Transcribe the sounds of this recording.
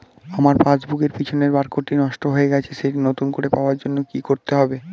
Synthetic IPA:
amaɾpad͡ʑbuɡeɾpit͡ɕʰoneɾbaɾkoʈinɔʃʈoɦoeɡɛt͡ɕʰeʃeʈinot̪unkoɾepaoaɾd͡ʑonːokikoɾt̪eɦɔbe

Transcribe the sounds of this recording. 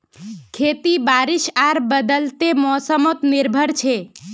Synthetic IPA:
kʰet̪ibaɾɪʃaɾbəd̪əlt̪emɔsəmot̪niɾbʱəɾt͡ʃʰe

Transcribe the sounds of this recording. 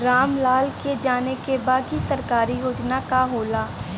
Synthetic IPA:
ɾaːmlaːlked͡ʒaːnekebaːd̪kisɐɾkaːɾijoːt͡ʃnakaɦoːlaː

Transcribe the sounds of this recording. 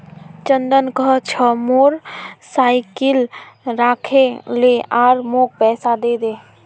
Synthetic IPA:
t͡ʃənd̪ənkət͡ʃʰəmoːɾsaːɪkɪlɾaːkʰeleaːɾmoːk̚pɛːsad̪eːd̪eː

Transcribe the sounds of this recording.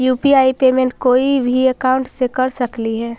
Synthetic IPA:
juːpiaːipeːmẽɳʈkoːibʱiɐkaːʊ̃ɳʈsekɐɾsɐkliɦɛː

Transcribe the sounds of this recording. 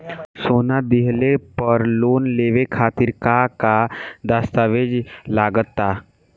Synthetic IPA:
sonad̪iɦlepəɾlonleʋekʰat̪iːɾkakad̪ast̪aʋed͡ʒlaɡət̪ːa

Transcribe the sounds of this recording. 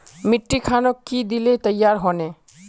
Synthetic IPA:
miʈːikʰanɔkːid̪ilet̪əjːaɾɦɔne

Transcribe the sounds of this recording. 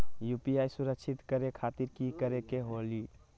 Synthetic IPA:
juːpiaːjsʊɾəkt͡ʃʰɪt̪kəɾekʰaːt̪iɾkikəɾekeɦoːli

